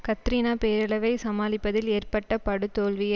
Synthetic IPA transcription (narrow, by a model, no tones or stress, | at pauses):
kɐt̪ːɾiːnaːpeːɾɐlɐʋɐɪsɐmaːlɪpːɐðɪleːrpɐʈːɐpɐɽɯt̪ːoːɭʋɪjɐ